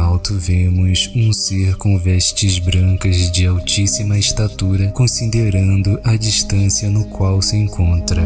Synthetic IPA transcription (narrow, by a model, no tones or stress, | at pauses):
awt̪ʊvẽmʊsũseɾkõvɛʃt͡ʃɪzbɾɐ̃kɐzd͡ʒɪawt͡ʃisimɐɪʃt̪at̪uɾɐkõsid̪eɾɐ̃nd̪ʊʔɐd͡ʒiʃt̪ɐ̃siɐnʊkwawsɪẽŋkʰõnt̪ɾɐ